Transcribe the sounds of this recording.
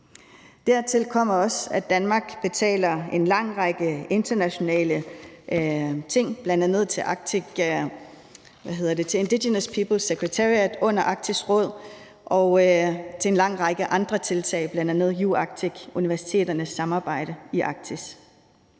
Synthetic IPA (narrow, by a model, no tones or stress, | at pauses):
d̥æɐt͡sʰe̝lkʰɒ̽m̰ɐɒ̽sæ̥ænmɑ̈ːɡ̥b̥e̝t͡sʰɛ̰ːlɐe̝nlɑ̈ŋ̰ʁɑ̈ɡ̥əe̝nd̥ɐnæɕo̝nɛ̰ːlə | t͡sʰe̝ŋ̰b̥lænd̥ænəð̞̰ˠt͡sʰe̝lʔɑ̈ɡ̥̚ʰiɡ̥ | ʋæɦe̝ð̞̰ˠɐd̥et͡sʰe̝e̝nd̥iɕenəspʰiːb̥l̩seɡ̥ʁət͡sʰæiæd̥ɔ̽n̰ɐʔɑ̈ɡ̥̚t͡sʰisʁɔ̽ð̞̰ˠ | ʔɒ̽ʊt͡sʰe̝enlɑ̈ŋ̰ʁɑ̈ɡ̥əʔɑ̈nd̥ʁɐt͡sʰe̝lt͡sʰɛ̰ːɪb̥lænd̥ænəð̩̰ˠjuɑ̈ɡ̥̚t͡sʰiɡ̥uniʋæɐsi̥t͡sʰe̝̰ːdɐnəsːɑ̈mɑ̈ːb̥ɑ̈ɪ̰ɾ̥əiʔɑ̈ɡ̥̚t͡sʰis